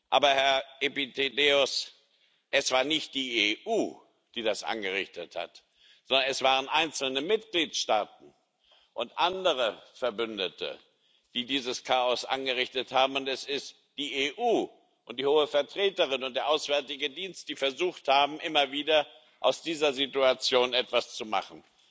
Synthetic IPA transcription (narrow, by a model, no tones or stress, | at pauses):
ʔa̰ːbɐhɛɐʔepitʰedeːʊs | ʔɛsv̥aːɐnɪçt̚d̥iːeʔuː | d̥iːdasʔa̰nɡəʁɪçtətha̰t | z̥ɔndɐnɛsv̥aːʁ̞ənʔaɪnt͡sl̩nəmɪtɡ̥liːtʃtaːt̚n̩ | ʔʊntʔandəʁ̞əfɛɐbʏndətʰə̰ | d̥iːdiːzəskʰaːɔsʔa̰nɡəʁɪçtəthaːbm̩ʊntɛsɪst | d̥iːeʔuː | ʔʊnt̚d̥iːhoːəfɛɐtʁ̥eːtəʁɪnʊntd̥eːɐʔaʊsv̥ɛɐtɪɡədiːnst̚d̥iːfɛɐzuːxthaːbm̩ʔɪmɐviːdɐ | ʔaʊsd̥iːzɐzituat͡sjoːnɛtv̥ast͡suma̰χn̩